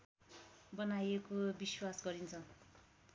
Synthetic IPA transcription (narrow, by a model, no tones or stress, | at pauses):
bʌnajekobiswasɡʌɾint͡sʰʌ